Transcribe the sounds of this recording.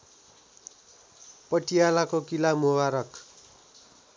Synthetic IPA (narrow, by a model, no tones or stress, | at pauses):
pʌʈijalakokilamubaɾʌk